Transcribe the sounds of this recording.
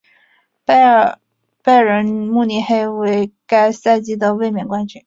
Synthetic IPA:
pa˥˩ɪɻə˧˥nmu˥˧ni˧˥xe˥˩ɪwe˧˥ɪka˥ɪsa˥˧ɪt͡ɕi˥d̪ə˨we˥˧ɪmjɛ˥˩nkwa˥nt͡ɕʰy˥˩˥

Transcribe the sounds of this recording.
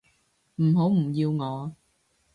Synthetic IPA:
m̩˨˩ɦo˨˥wm̩˨˩jiː˧wŋɔː˨˧

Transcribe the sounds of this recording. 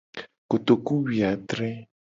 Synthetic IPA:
ko˨t̪o˨ku˦wi˨a˨t̪ɾɛ˦

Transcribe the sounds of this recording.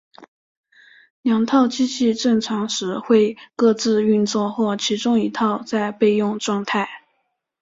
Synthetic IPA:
ljɑ˧˥ŋt̪ʰɑ˥˩ʊt͡ɕi˥t͡ɕi˥˧ʈ͡ʂɤ˥˩ŋʈ͡ʂʰɑ˧˥ŋʂɻ̩˧˥xwe˥˧ɪkɤ˥˧t͡sɹ̩˥˧y˥˧nt͡swɔ˥˧xwɔ˥˩t͡ɕʰi˧˥ʈ͡ʂʊ˥ŋi˧˥t̪ʰɑ˥˧ʊt͡sa˥˧ɪpe˥˧ɪjʊ˥˧ŋʈ͡ʂwɑ˥˧ŋt̪ʰa˥˩ɪ

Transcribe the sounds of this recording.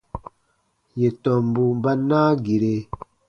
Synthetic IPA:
je˨tɔ˨mbu˨mba˦naː˦ɡi˨ɾe˨

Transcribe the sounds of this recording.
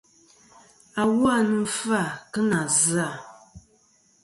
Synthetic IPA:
a˨wa˦nɨ˦fa˦˨kɨ˦na˨zɨ˦a˨

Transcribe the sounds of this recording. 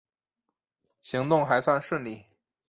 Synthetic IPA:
ɕi˧˥ŋt̪ʊ˥˩ŋxa˧˥ɪswa˥˧nʂwə˥˧nli˥˩

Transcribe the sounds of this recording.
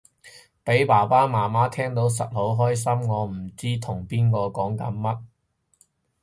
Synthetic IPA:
pe˨˥jpaː˨˩paː˥maː˨˩maː˥t̪ʰɛː˥ŋt̪o˨˥ws̬ɐ˨t̚ho˨˥wɦɔː˥js̬ɐ˥mŋɔː˨˧m̩˨˩t͡siː˥t̪ʰʊ˨˩ŋpiː˥nkɔː˧kɔː˨˥ŋkɐ˨˥nmɐ˦˥t̚

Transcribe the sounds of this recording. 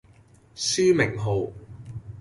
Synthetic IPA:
syː˥mɪ˨˩ŋɦo˨w

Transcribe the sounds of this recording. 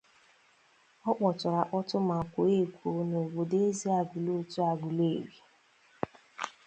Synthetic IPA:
ɔ˦k͡pɔ˨tʊ˨ɾa˨ʔɔ˦tʊ˦ma˨kʷʊ˨e˦˨kʷu˨˦no˨wo˨de˦zi˦a˨ɡu˨lo˦tu˦a˨ɡu˨le˦e˨ɾi˨

